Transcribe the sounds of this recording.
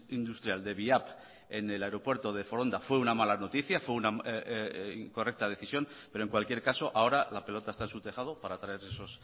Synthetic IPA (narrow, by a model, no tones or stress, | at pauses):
ind̪ust̪ɾjald̪e̞βiap | e̞ne̞laeɾo̞pwe̞ɾt̪o̞ðefo̞ɾo̞nd̪afwe̞unamalano̞t̪iθjafwe̞una | ko̞rek̚t̪að̞e̞θisjo̞npeɾoŋkwalkjeɾkaso̞ʔao̞ɾalape̞lo̞t̪aest̪aensut̪e̞xað̞opaɾat̪ɾaeɾe̞so̞s